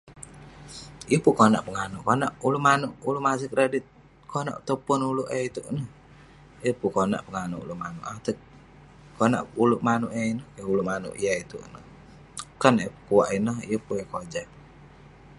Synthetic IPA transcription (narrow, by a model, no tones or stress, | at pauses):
iəpukona̰ʔpəŋanuʔkonaʔulumanuʔulumas̬ik̚ɾadit̪̚ | kʰona̰ʔt̪upʊnuluʔeit̪uʔnəh | ijəpukona̰ʔpəŋanṵʔṵlumanṵʔat̪ə | kona̰ʔuluʔmanuʔeinəhkeuluʔmanṵʔḭjait̪uʔnəh | kanepkuwaʔinəhijəpuekod͡ʒa